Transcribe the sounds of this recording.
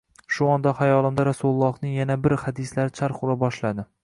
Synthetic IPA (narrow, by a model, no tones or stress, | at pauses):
ʃʊɒnd̪ahajɒlˠɪmd̪aɾasulˠːɒhnɪŋjanabɪɾhad̪ɪslaɾɪt͡ʃʰaɾχʊlˠabɒʃlad̪ɪ